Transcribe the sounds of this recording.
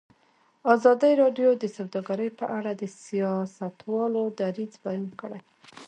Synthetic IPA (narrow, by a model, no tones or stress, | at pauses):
ɑzɑd̪əɾɑɖjod̪əsawd̪ɑɡaɾəjpəʔaɽad̪əsijɑsat̪wɑlod̪aɾid͡zbajunkəɽaj